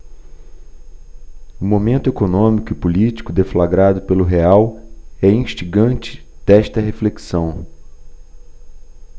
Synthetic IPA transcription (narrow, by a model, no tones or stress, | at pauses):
ʊmomẽnt̪ʊekonõmikʊɪpulit͡ʃi̥kʊd̪eflaɡɾad̪ʊpelʊɦeawɛĩʃt͡ʃiɡɐ̃nt͡ʃɪ̥ | d̪̥ɛʃt̪ɐɦefleksɐ̃w̃